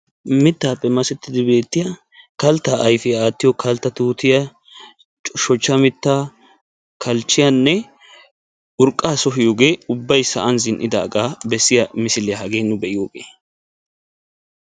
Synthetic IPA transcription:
mɪt̪ːaːpːɛmɐsɛt̪ːɪd̪ɪbe̞ːt̪ːɪjɐ | kɐlt̪ːaʔɐjfɪaːt̪ːɪjɔkɐlt̪ːɐt̪uːt̪ɪjɐ | t͡ʃʼʃɔt͡ʃːɐmɪt̪ːaː | kʰɐlt͡ʃːɪjanːɛ | ʊɾkʼːaːsɔɦɪjoːɡe̞ːʊbːɐjsɐʔɐnzɪnʔɪd̪a̰ːɡaːbɛsːɪjɐmɪsɪlɛɦɐɡe̞ːnːʊbɛʔɪjo̞ːɡeː

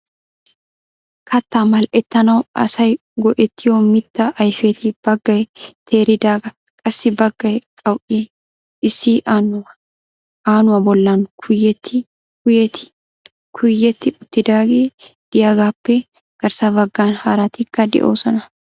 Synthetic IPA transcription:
kʰɐt̪ːaːmɐlʔɛt̪ːɐnɐwʔɐ̰sɐj | ɡɔʔɛt̪ːɪjoːmɪt̪ːɐʔɐjfeːt̪ʰib̥ɐɡːɐjt̪ʰeːɾɪd̪aːɡɐ | kʼɐsːɪbɐɡːɐjkʼɐwʔi | ɪsiːʔaːnʊɐ | ʔaːnʊwɐbɔlːaːŋkʰʊjɛt̪ːɪ | kʊjɛt̪ɪ̥ | kʰʊjːɛt̪ːɪʊt̪ːɪd̪aːɡeːd̪̥ɪjaɡaːpːɛ | ɡ̥ɐɾsabɐɡːaːnhaːɾaːt̪ɪkːɐd̪ɛ̰ʔoːsɔnɐ

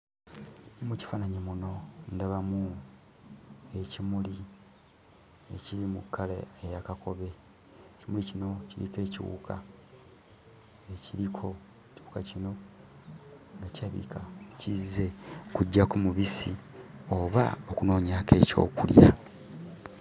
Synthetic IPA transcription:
muci̥faːnaɲemuno̞ndaβamu | e̞cimuli | ḛciɾimukʰːalḛejakakʰo̞βe̞ | cimulicino̞ciɾḭke̞ːciwṵːkʰa̰ | eciɾikʰo̞ | eciwukacino̞ | ŋɡacaβḭkʰacize̞kuɟːakumuβisio̞βa̰okuno̞ːɲake̞̰co̞̰ːkulja

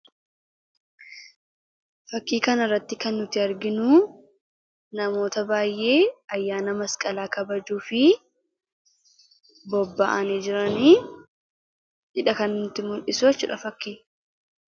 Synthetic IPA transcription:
fɐkːiːkɐnɐrːɐt̪ːɪkɐnːʊt̪ːɪɐɾɡɪnuː | nɐmo̞ːt̪ɐbaːjʔe̞ːɐjːaːnɐmɐskʼɐlaːkɐbɐd͡ʒuːfɪ | bɔbːa̰ʔɐniːd͡ʒɪɾɐniː | ᶑɪᶑɐkɐnnʊt̪ːɪmʊɾʔɪsʊɛt͡ʃːʊ̰ᶑɐfɐkːiː

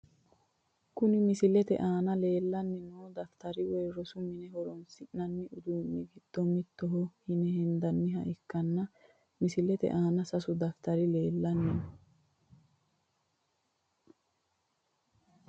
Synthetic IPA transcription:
kʊnɪmɪsɪlɛt̪ɛ̰ʔaːnɐle̞ːlːɐnːɛnoːd̪ɐft̪ɐɾɪweːɾɔsʊmɪnɛhɔɾɔnsɪʔnɐnːɪʔʊd̪uːnːɪɡɪd̪̥ːɔmɪt̪ːɔɦɔhɪnɛhɛnd̪ɐnːɪɦɐ̰ʔɪkːɐnːɐ | mɪsɪlɛt̪ɛ̰ʔaːnɐsɐsʊd̪ɐft̪ɐɾɪle̞ːlːɐnːɛn

